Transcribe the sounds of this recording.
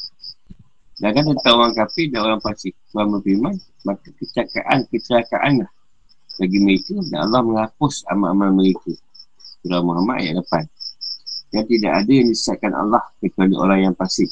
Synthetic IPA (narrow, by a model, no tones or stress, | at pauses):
daɡant̪ət̪auwaŋkapɪhdanoɾaŋpasɪk̚tuanməfiman | makakət͡ʃaka̰ʔankət͡ʃəɾaka̰ʔanlah | baɡiməit̪udana̰lːahməŋapʊsa̰ma̰ʔamalməɾiku | sudamaɾama̰ʔja̰ʔləpan | dant̪ida̰ʔadajaŋdisiat̪̚kana̰lːahkət͡ʃualiʔo̰ɾaŋjaŋpasɪk̚